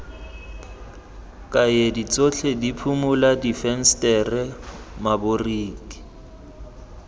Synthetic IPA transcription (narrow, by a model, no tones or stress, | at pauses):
kʼajedit͡sʼot͡ɬʰedipʰumʊladifɛn̩stʼɛrɛmabʊriːki̥